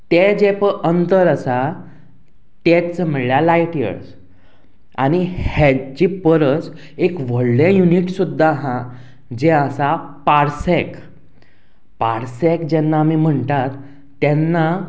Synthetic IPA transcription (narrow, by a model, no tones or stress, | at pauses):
t̪ed͡ʑepəʔənt̪əɾəsa | t̪ɛsəm̤əljalajʈjə̰ɾs | a̰ñihɛd͡ʑipəɾət͡s | ekʋəɭlẽjuniʈsud̪ʱːaɦã | d͡ʑɛəsapaɾsɛk | paɾsɛkd͡ʑɛnːaːmim̤əɳt̪at̪ː | ɛnːa